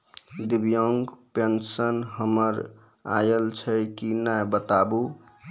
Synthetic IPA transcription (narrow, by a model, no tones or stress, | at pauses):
d̪ibjoŋɡpensənɦəməɾ | a̰jəlt͡ʃʰəkinajbət̪abu